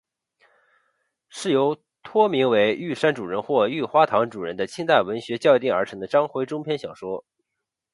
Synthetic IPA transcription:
ʂɻ̩˥˩jo˧˥ʊ | t̪ʰwɔ˥mi˧˥ŋwe˧˥ɪy˥˩ʂa˥nʈ͡ʂu˨˩ɻə˧˥nxwɔ˥˧y˥˩xwa˥t̪ʰɑ˧˥ŋʈ͡ʂu˨˩ɻə̰˧˥nd̪ə˧t͡ɕʰi˥ŋt̪a˥˩ɪwə˧˥nɕɥɛ˧˥t͡ɕjɑ˥˧ʊt̪i˥˩ŋə˞˧˥ʈ͡ʂʰɤ˧˥ŋd̪ə˧ʈ͡ʂɑ˥ŋxwe˧˥ɪʈ͡ʂʊ˥ŋpʰjɛ˥nɕjɑ˨˩ʂwɔ˥

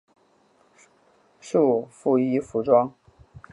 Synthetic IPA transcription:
ʂu˥˩˨fu˥˩i˥fu˧˥ʈ͡ʂwɑ˥ŋ

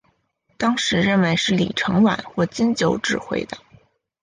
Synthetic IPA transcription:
t̪ɑ˥ŋʂɻ̩˧˥ɻə˥˩nwe˧˥ɪʂɻ̩˥˩li˨˩ʈ͡ʂʰɤ˧˥ŋwa̰˨˩˦nxwɔ˥˩t͡ɕi˥nt͡ɕjo˧˥ʊʈ͡ʂɻ̩˥˧xwḛ˥˩ɪd̪ə˩

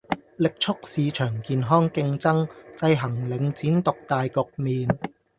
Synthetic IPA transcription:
lɪ˨k̚t͡ʃʰʊ˥k̚siː˨˧t͡ʃʰœː˨˩ŋkiː˨˧nɦɔː˥ŋkɪ˧ŋt͡sɐ˥ŋt͡sɐ˧jɦɐ˨˩ŋlɪ˨˥ŋt͡siː˨˥nt̪ʊ˨k̚t̪aː˨˧jkʊ˨k̚miː˨˧n

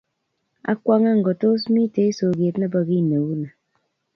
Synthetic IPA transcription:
a̰˦kʷa˦ŋa˦ŋ̩˨ɡɔ˨to˦s̬mi˦te˨˦i˦so˨ɡe˨tna˦ba˦˨ɣi˦˨ne˨wu˦na˨

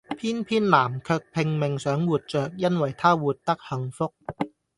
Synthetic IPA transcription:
pʰiː˥˩˨npʰiː˥˩˨nlaː˨˩˦mkʰɤ˧k̚pʰe˧ŋme˨˧ŋsœː˨˦˥ŋwuː˨˩t̪̚t͡ɕœː˨˩k̚ja˥˩˨nwa˨˩jt̪ʰaː˥˩wuː˨˩t̪̚ːa˦˥˩k̚ha˨˦ŋfo˦˥k̚

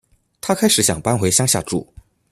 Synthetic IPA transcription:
t̪ʰa˥kʰa˥ɪʂɻ̩˨˧˥ɕjɑ̰˨˩ŋpa˥nxwe˧˥ɪɕjɑ˥ŋɕja̰˥˧ʈ͡ʂṵ˥˩˦

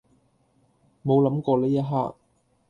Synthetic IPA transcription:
mo˨˧wlɐ˨˥mkɔː˧leː˥jɐ˥t̚ɦa̰ː˥k̚

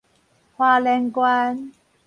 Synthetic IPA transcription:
hwaː˧lɛ˧ŋkwaː˧˥n

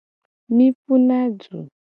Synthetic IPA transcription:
mi˦fu˦na˦d͡zu˨

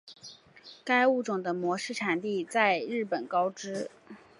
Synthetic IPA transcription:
ka˥ɪu˥˩ʈ͡ʂʊ˨˩ŋd̪ə˦mwɔ˧˥ʂɻ̩˥˩ʈ͡ʂʰa˨˩nt̪i˥˧t͡sa˥˧ɪɻɻ̩˥˩pə˨˩nkɑ˥ʊʈ͡ʂɻ̩˥

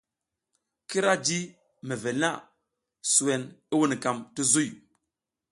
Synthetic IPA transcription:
ki˦ɾa˦d͡ʒi˦ | mɛ˨ve˨na˦˨ | su˨wɛ˨ni˦wu˦ni˨ka˨mti˦zu˦˨j

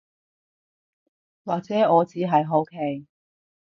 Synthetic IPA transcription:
waː˨k̚t͡sɛː˨˥ɔː˨˧t͡siː˨˥ɦɐ˨jɦo˨˥wkʰe˨˧j

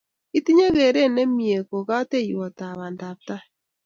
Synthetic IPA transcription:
i˦ti˦ɲe˦ɣe˨ɾe˦˨nɛ˦mije˨ko˨ɣa˦te˦˨jwɔ˨ta˨βa˨nda˨p̚ta˦

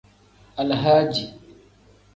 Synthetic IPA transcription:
ʔa˨lɦaː˦d͡ʒi˨

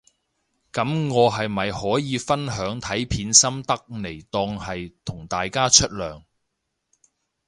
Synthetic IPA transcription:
kɐ˨˥mŋɔː˨˧ɦɐ˨jmɐ˨jhɔː˨˥jiː˨˧fɐ˥nɦœː˨˥ŋt̪ʰɐ˨˥jpʰiː˨˧nsɐ˥mt̪ɐ˥k̚ne˨˩jt̪ɔː˧ŋhɐ˨jt̪ʰʊ˨˩ŋt̪aː˨jkaː˥t͡ʃʰɵ˥t̚lœː˨˩ŋ

